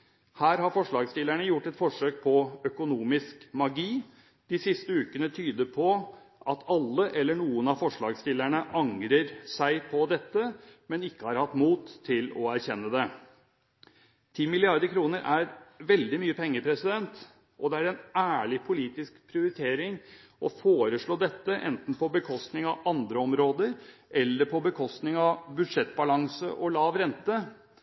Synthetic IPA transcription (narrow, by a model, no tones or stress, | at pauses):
hæːɾhɑɾfɔʂɭɑːɡst̪ɪlːæɳəjʊʈːɛt̪fɔʂøːk̚pʰɔœkʊnuːmɪskmɑɡiː | d̪̥ɪsɪst̪əʉːkənət̪ʰyːd̪əpʰɔ | ʔɑt̪ʰɑlːəʔɛlːəɳuːənɑfɔʂɭɑːɡst̪ɪlːæɳəʔɑŋɾəɾsæɪpʰɔd̪ɛt̪ːəmɛnɪkːəhɑɾhɑt̪ːmuːt̪ʰːɪlɔæɾçɛnːəd̪ɛ | t̪ʰiːmɪlɪɑɾd̪əɾkʰɾuːnəɾʔæɾʋɛld̪ɪmyːəpʰɛŋːəpʰɾɛsɪd̪ɛnt̪ | ʔɔd̪ɛæɾɛnæːɭɪpʰʊliːt̪ɪskpʰɾɪʊɾɪt̪ʰeːɾɪŋ | ʔɔfoːɾəʂɭoːd̪ɛt̪ːəʔɛ̰nt̪n̩pʰɔbəkʰɔst̪nɪŋɑʋɑnd̪ɾəɔmɾoːd̪əɾʔɛlːəɾpʰɔbəkʰɔst̪nɪŋɑʋbʉd̪ʂɛt̪ːbɑlɑŋsə̰ʔɔlɑːʋɾɛnt̪ə